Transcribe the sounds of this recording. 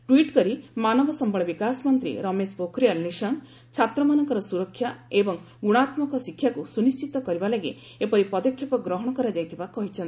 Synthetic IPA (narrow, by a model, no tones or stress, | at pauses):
ʈwiʈkɔɾimanɔbɔsɔmbɔɭɔbikasmɔnt̪ɾḭɾɔmespokʰɾijalnisɔŋ | t͡ʃʰat̪ɾɔmanɔŋkɔɾɔsuɾɔkʰːjaebɔŋ | ɡuɽ̃at̪mɔkɔsikʰjakusunist͡ʃit̪ɔkɔɾibalaɡe | epɔɾipɔd̪ɔkʰjɔpɔɡɾɔɦɔɽ̃ɔkɔɾad͡ʒajt̪ʰibakɔɦit͡ʃʰɔnt̪i